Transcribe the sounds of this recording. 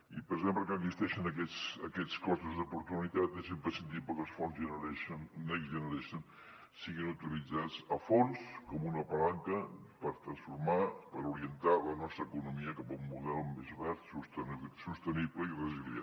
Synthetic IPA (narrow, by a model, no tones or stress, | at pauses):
ḭpəɾzempləkənəɡzist̪ɛʃənəkɛt͡sə̰kɛt͡skɔst̪uzd̪upuɾt̪unit̪at̪esempɾəsənt̪̬it̪̚pəkəlˠsfɔnzʒənəɾɛʃənnəɡzʒənəɾɛʃən | siɣinut̪ilid͡zat͡səfonskɔmunəpəlaŋkəpəɾt̪ɾənsfuɾmapəɾuɾiənt̪alənɔst̪ɾəːkunumiəkapəumːuðɛlˠmezβast̪sust̪nsust̪ənibləirəzilia̰